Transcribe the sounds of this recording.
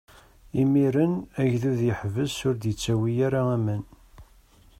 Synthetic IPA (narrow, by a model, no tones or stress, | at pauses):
imiɾənæʝðuðjəħvəzsʊɾd̪jət͡sːæwijaɾaæmən